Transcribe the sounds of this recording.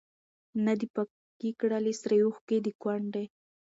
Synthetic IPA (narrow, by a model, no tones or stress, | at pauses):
nad̪ipa | kikɽəlisɾajuxked̪ikwaɳɖe